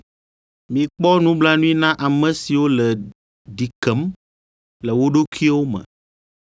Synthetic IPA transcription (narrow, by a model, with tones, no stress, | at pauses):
mĩ˨k͡pɔ˦nũ˦bla˦nũ˦i˦nã˦ʔa˨mɛ̃˨si˨wo˦lɛ˨ | ɖi˨kɛ˨˦m | lɛ˨wo˦ɖo˦kʰi˦wo˦mɛ̰̃˨